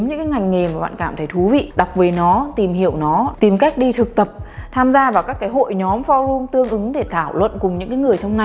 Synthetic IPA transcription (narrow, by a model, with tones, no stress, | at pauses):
mɲɨ̰˧˥kaː˨˦ŋa˨˩jŋ̟ŋe˨˩maː˨˩ɓa̰ː˧˨kaː˧˩mt̪ʰə˧˩jt̪ʰu˨˦vḭ˧˨ɗa˨˩wk͡p̚ve˨˩nɔ˨˦t̪i˨˩mɦḭ˧˨əwnɔ˨˦t̪i˨˩mka˦˥jk̟̚ɗi˧t̪ʰɨ˨˩k̚t̪ə˨˩p̚t̪ʰaː˧mzaː˧vaː˨˩wkaː˦˥kːaː˨˦jɦo̰˧˨jɲɔ˨˦mfɔ˧lu˧əŋt̪ɨ˧əŋʔɨ˨˦ŋɗe˧˩t̪ʰaː˧˩wlwə̰˧˨nkʊ˨˩ŋ͡mɲɨ̰˧˥kaː˨˦jŋɨ˨˩əjt͡ɕɔ˧wŋ͡mna˨˩j